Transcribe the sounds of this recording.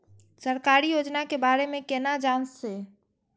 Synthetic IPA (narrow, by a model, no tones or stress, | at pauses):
səɾkaːɾijoːd͡ʒnakebaːɾemẽkenad͡ʒãːnsːe